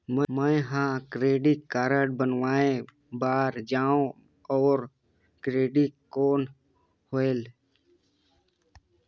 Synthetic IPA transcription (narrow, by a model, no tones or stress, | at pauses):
məməjɦãkɾeːɖɪkkaːɾəɽ̚bənwaːẽ | baːɾd͡ʒaːõ | ɔːɾ | kɾeːɖikkːoːn | hoel